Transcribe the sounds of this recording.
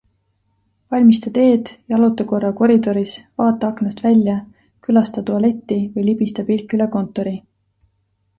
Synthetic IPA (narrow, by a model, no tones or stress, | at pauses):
vɑlʲmist̪ɑt̪e̞ːd̪̥jɑɑlut̪ːˑɑko̞rːɑko̞ɾid̪o̞ɾisvɑːt̪ːˑɑɑknɑst̪vælʲjɑ | kylɑst̪ɑt̪uɑle̞t̪ːivɤjlibist̪ɑpilkːˑyleko̞nt̪ːˑo̞ɾi